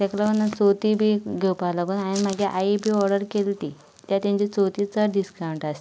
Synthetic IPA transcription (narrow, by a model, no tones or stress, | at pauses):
t̪ɛklaənat͡sot̪iːbʱiːɡʱewpalaɡunajinm̤aɡeʔaibʱiːɔɾɖəɾkelt̪iː | t̪jat̪ãɲt͡ɕit͡sot̪iːt͡səɖiskaũɳʈast̪i